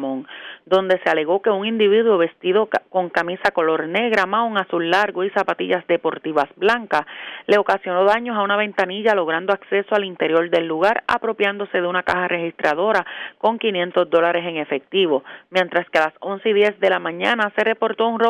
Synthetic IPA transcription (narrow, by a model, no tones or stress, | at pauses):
mõ̞ŋd̪o̞nd̪e̞se̞ale̞ɣo̞ke̞uŋind̪iβiðwo̞βe̞st̪iðo̞ko̞ŋkamisako̞lo̞ɾne̞ɣɾamauŋasulːaɾɣo̞isapat̪iʝasd̪e̞po̞ɾt̪iβasblaŋkale̞o̞kasjo̞no̞ðaɲo̞saunaβe̞nt̪aniʝalo̞ɣ̞ɾand̪o̞akse̞so̞alint̪e̞ɾjo̞ɾd̪e̞lːuɣaɾa̰pɾo̞pjand̪o̞se̞ðe̞unaka̰harʔe̞hist̪ɾaðo̞ɾako̞ŋkinje̞nt̪o̞sd̪o̞laɾe̞se̞ŋe̞fe̞k̚t̪iβo̞mje̞nt̪ɾaske̞alaso̞nseiðje̞sd̪e̞lamãɲãnase̞re̞po̞ɾt̪o̞unro